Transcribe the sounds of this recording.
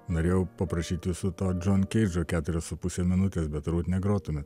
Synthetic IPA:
noːɾʲeːjɛʊpɐpɾɐʃʲiːt̪ʲɪsʊt̪oːd͡ʒʲoːnʲkʲɛɪd͡ʒoːkʲæːt̪ʊɾʲɛssʊpʊsʲemʲɪnʊt̪ʲeːsbʲɛt̪ɾuːt̪nʲɛɡɾoːt̪ʊmʲɛt̪

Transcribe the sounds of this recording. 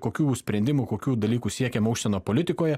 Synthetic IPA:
koːkʲuːsʲpʲɾʲɛnʲd̪ʲɪmukoːkʲuːd̪ɐlʲiːkuːsʲiɛkʲɛmɐʊkʃsʲɛnoːpolʲɪt̪ʲɪkoːjɛ

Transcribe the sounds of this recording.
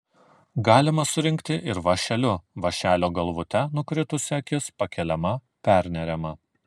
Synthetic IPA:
ɡɑːlʲɪmɐsʊɾʲɪŋʲkt̪ʲɪʔɪɾʋɐʃʲɛlʲʊʋɐʃʲæːlʲoːɡɐlˠʋʊt̪ʲɛnʊkɾʲɪt̪ʊsʲɛkʲɪspɐkʲɛlʲɛmɐ | pʲæˑɾʲnʲɛɾʲɛmɐ

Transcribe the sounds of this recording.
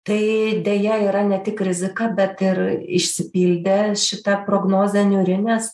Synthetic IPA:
t̪ɐɪd̪ʲeːjɛiːɾɐnʲɛt̪ʲɪkɾʲɪzʲɪkɑbʲɛt̪ɪɾɪ̰ʃʲsʲɪpʲiːlʲd̪ʲeʃʲɪt̪ɐpɾoːɡnoːzʲɛnʲuːɾʲɪnʲeːs

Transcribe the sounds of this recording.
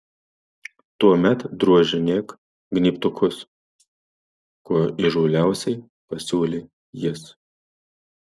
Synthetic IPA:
t̪uɔmʲɛt̪d̪ɾuɔʒʲɪnʲeːk | ɡnʲiːpt̪ʊkʰʊs | kuɔiʒuːlʲæˑʊsʲɛɪ | pɐsʲuːlʲe | jɪs

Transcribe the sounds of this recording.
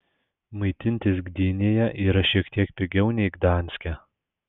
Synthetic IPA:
mɐɪt̪ʲɪnʲt̪ʲɪsɡd̪ʲiːnʲeːjɛʔiːɾɐʃʲiɛkt̪ʲiɛkpʲɪɡʲɛʊnʲɛɪɡd̪ɑnʲsʲkʲɛ

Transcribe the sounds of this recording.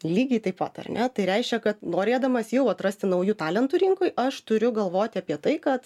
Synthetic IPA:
lʲiːɡʲɛɪt̪ɐɪpʋɐt̪ɐ̰rnʲɛt̪ɐɪɾʲɛɪʃʲkʲɛkɐt̪noːɾʲeːd̪ɐmɐsjɛʊɐt̪rɐsʲt̪ʲɪnɐʊjuːt̪ɑːlʲɛnt̪ʊɾʲɪŋkʊjʔɐʃt̪ʊɾʲʊɡɐlˠʋoːt̪ʲɪɐːpʲiɛt̪ɐɪkɐt̪

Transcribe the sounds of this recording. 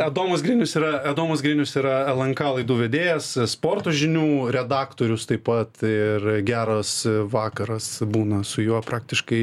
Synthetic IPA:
ɐd̪oːmɐsɡɾʲɪːnʲʊsiːɾɐɐd̪oːmɐsɡɾʲɪːnʲʊsiːɾɐɛlˠɐŋkɑːlˠɐɪd̪uːʋʲɛd̪ʲeːjɛsspoːrt̪oːʒʲɪnʲuːɾʲɛd̪ɑːkt̪oːɾʲʊst̪ɐɪpɐt̪ɪrɡʲæːɾɐsʋɑːkɐɾɐsbuːnɐsʊjuɔpɾɑːk̚t̪ʲɪʃkɐɪ

